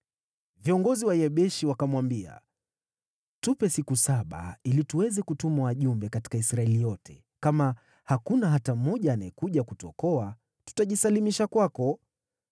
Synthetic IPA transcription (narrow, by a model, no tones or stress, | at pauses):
viɔŋɡɔziwaiɛɓɛʃiwakamwambia̰ | tupɛsikusaɓa̰ilituwɛzɛkutumawaʄumbɛkati̥kaisɾaɛlijɔtʰɛ̰ | kama | hakunaɦatam̩mɔʄaːnaɛkuʄakutɔ̰kɔa | tu̥taʄisalimiʃakwakɔ